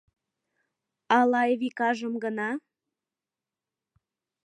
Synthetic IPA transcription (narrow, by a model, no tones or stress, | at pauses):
ɑlɑjβikɑʒəmɡənɑ